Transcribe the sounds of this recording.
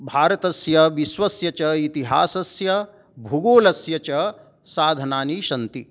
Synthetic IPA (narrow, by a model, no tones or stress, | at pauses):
bʱaːɾɐt̪ɐsjɐʋiʃʋɐsjɐt͡ʃɐit̪iɦaːsɐsjɐ | bʱuɡoːlɐsjɐt͡ʃɐ | saːd̪ʱɐnaːniʃɐnt̪i